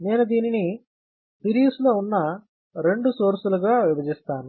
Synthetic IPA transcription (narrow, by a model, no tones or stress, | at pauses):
neːnud̪iːnini | piɾiːsloːunːɐ | ɾe̞ɳɖusoːɾsuluɡaːʋibɐd͡ʒist̪aːnu